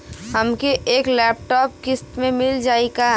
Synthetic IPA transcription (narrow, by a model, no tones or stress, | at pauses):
həmkeeːklɛːp̚ʈɔːp̚kɪst̪mẽmɪld͡ʒaːika